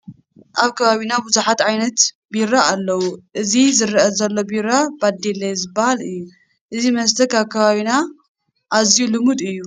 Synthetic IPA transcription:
ʔaβkʰɐβaβinabuzuħat̪ʕajnɐt̪ | biɾaalːɐwuʔɨzizɨɾɐʔɐzɐlːo̞biɾabad̪elːajzɨbːahalɨjːu | ʔɨzimɐst̪ʰɐkʰaβkʰɐβaβina | ʔazijulɨmud̪ɨjːu

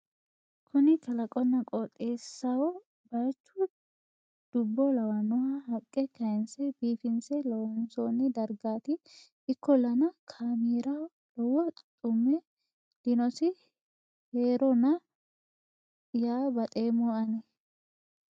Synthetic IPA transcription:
kʰʊnɪt͡ʃɐlɐkʼɔnːɐkʼɔt̪ʼeːsːɐwɔ | bɐɾt͡ʃːʊ | d̪̥ʊbːɔlɐwɐnʊhɐhɐkʼːɛkɐjɛnsɛbiːfɪnsɛlɔwɔnsoːnːɪd̪ɐɾɡaːt̪ɪ | ɪkːɔlɐnɐkʰaːmiːɾɐw | lɔwɔt̪ʼʊmːɛ | d̪̥ɪnɔsɪ | heːɾɔnɐ | jaːbɐt̪ʼe̞ːmɔɐnɛ

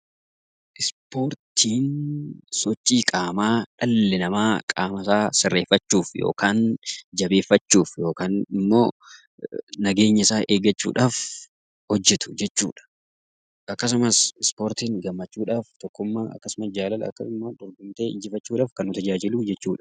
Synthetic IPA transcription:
ʔɪspo̞ːɾt̪ʰiːnsɔt͡ʃʼːiːkʼaːmaːᶑɐlːɛnɐmaːkʼaːmɐsaːsɪrːe̞ːfːɐt͡ʃːuːfjo̰ːkaːnd͡ʒɐbe̞ːfːɐt͡ʃːuːfjo̞ːkaːnɪmːo̞̰ː | nɐɡe̞ːɲːɐɪsaːʔeːɡɐt͡ʃːṵːᶑaːf | hɔd͡ʒːɛt̪ʊ̥d͡ʒɛt͡ʃːṵːᶑɐ̥ | ʔɐkːɐs̬ʊmɐsɪspo̞ːɾt̪iːŋɡɐmːɐt͡ʃːuːᶑaːft̪ɔkːʊmːaʔɐ̰kːɐsʊmɐsd͡ʒaːlɐlɐ̰kːɐsʊmːad̪ʊɾɡʊmt̪eːɪd͡ʒɪfɐt͡ʃːuːᶑaːfkɐnːʊt̪ɐd͡ʒaːd͡ʒɪluːd͡ʒɛt͡ʃːuːᶑɐ̥

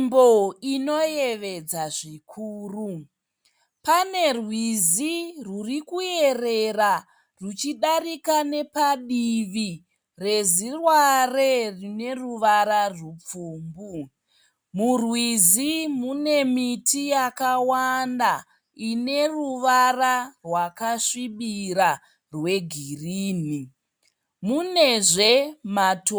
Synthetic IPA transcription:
mboino̞jeʋe̞d͡zaʐikʰuːru | pane̞rwizirurikuje̞re̞ra | rut͡ʃiɗarikane̞paɗiʋi | re̞zirware̞rine̞ruʋaɾarup͡fuːmbu | murwizimune̞mitʰijakawanda | ine̞ruʋararwakaʂiɓiɾa | rwe̞ɡʱiriːni | mune̞ʐe̞mato

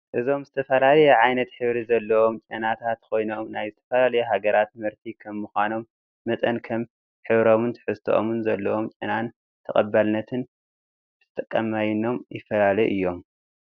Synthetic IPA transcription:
ʔɨzo̞mzɨt̪ʰɐfɐlalɐjɛʕajnɐt̪ħɨβɾizɐlːɐwo̞mt͡ʃʼɐnat̪ʰat̪kʰo̞jno̞mnajzɨt̪ʰɐfɐlalɐjɛɦaɡɐɾat̪mɨɾt̪ʰikʰɐmːuxʷano̞mː | ɐt̪ʼɐnkʰɐm | ħɨβɾo̞mɨnt̪ʰɨ̥ħɨst̪ʰoʔo̰mɨnzɐlːɐwo̞mt͡ʃʼɐnan | t̪ʰɐχʼɐ̰bːalnɐt̪ʰɨn | ɨt̪ʰt̪ʼɐkʼːɐmːajno̞mjɪfːɐlalɐʔɨ̰jːo̞m

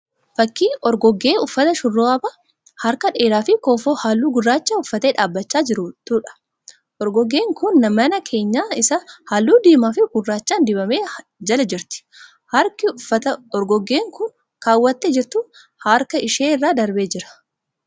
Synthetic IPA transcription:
fɐkːiːɔɾɡɔɡːe̞ːʊfːɐt̪ɐʃʊrːoːɐbɐ | hɐɾkɐᶑe̞ːɾaːfɪkoːfoːhaːlːuːɡʊrːaːt͡ʃːaːʊfːɐt̪eːᶑaːbːɐt͡ʃːaːd͡ʒɪɾʊt̪uːᶑɐ̥ | ʔɔɾɡɔɡe̞ːŋkʊnːɐmɐnɐkʰe̞ːɲːaːɪsɐhaːlːuːd̪iːmaːfɪɡʊrːaːt͡ʃːaːnd̪ɪbɐmeː | d͡ʒɐlɐd͡ʒɪɾt̪ɪ̥ | hɐɾkɪʊfɐt̪ɐɔɾɡɔɡːe̞ːŋkʊn | kaːwːɐt̪ːed͡ʒɛɾt̪ːʊ | hɐɾkɐɪʃeːɪrːaːd̪ɐɾbeːd͡ʒɪɾɐ̥

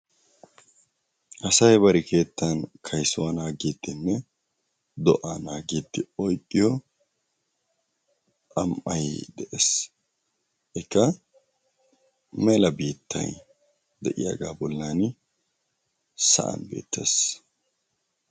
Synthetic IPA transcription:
ʔɐsɐjbɐɾɪkʰe̞ːt̪ːɐnkʰɐjsʊwɐnaːɡiːd̪ːɪnːɛ | d̪ɔʔanaːɡiːd̪ːɪɔjkʼːɪjɔ | ʔɐmʔɐjd̪ɛʔes | ʔɪkːɐ | mɛlɐbiːt̪ʰːɐ̰j | d̪ɛʔɪja̰ːɡaːbɔlːan | sɐ̰ʔɐ̰nbḭːt̪ʰːḛs

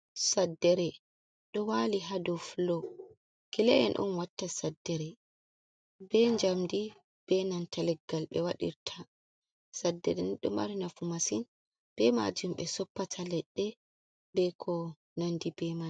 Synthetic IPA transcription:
sadːɛɾɛ | ɗɔwaliɦadɔflɔ | kilɛʔɛ̰nʔṵnwatːasadːɛɾɛ | bɛɲd͡ʒamdi | b̥ɛnantalɛɡːalɓɛwaɗḭɾtʰa | sadːɛɾɛnɗɔma̰ɾinafumasin | b̥ɛma̰d͡ʒumɓɛsɔpːatʰalɛɗːɛ | bɛkʰɔ | nandibɛma

